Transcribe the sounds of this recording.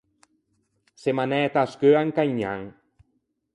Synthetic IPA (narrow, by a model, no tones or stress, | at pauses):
semanɛt̪askøaŋkaɲa̰ŋ